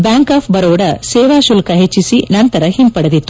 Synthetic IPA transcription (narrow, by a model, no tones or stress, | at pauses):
bjaːŋkaːpʰbɐɾoːɽɐseːʋaːʃulkɐɦet͡ʃːisinɐnt̪ɐɾɐhimpɐɽɐd̪it̪ːu